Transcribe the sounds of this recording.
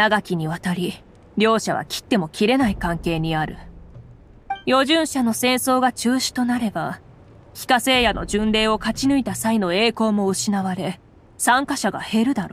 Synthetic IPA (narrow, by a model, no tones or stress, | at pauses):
aɡakʲiɲ̟iβat̪aɾʲi | ɾʲo̞ːɕaβa̰kʲi̥t̪ːe̞mo̞kʲiɾe̞naikãŋke̞ːɲ̟iaɾɯ̟̰ | jo̞ʑɨ̃ɰ̃ɕano̞sẽ̞ɰ̃so̞ːɡat͡ɕɨːɕi̥t̪o̞naɾe̞ba | çʲi̥kase̞ːjano̞̰d͡ʑɨ̃nɾe̞ːo̞kat͡ɕinɯ̟it̪asaino̞e̞ːko̞ːmo̞ɯ̟ɕinaβaɾe̞ | sãŋkaɕaɡa̰he̞ɾɯ̟d̪aɾo